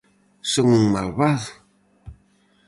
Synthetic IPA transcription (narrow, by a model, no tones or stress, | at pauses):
soŋuŋmalβaðʊ